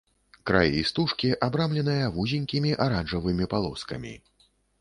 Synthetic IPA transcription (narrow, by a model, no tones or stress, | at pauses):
kɾa̰jɛ̰ist̪uʂkʲiʔabɾamlʲɛnɨjɐvuzʲinʲkʲimʲiʔaɾanʐɐvɨmʲipalˠɔ̰skɐ̰mʲḭ